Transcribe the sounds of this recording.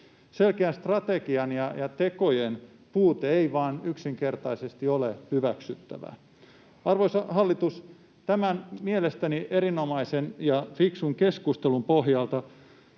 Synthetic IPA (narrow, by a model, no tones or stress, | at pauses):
se̞lkeænst̪rɑt̪eɡiɑnjɑjɑt̪ekojen | puːt̪eeiʋɑːnyksiŋkert̪ɑisest̪iolehyʋæksyt̪ːæ̰ʋæ̰ | ɑrʋoisɑɦɑlːit̪us | t̪æmænmielest̪æniʔe̞ɾino̞mɑisenjɑfiksuŋkeskust̪elumpoɦjɑlt̪ɑ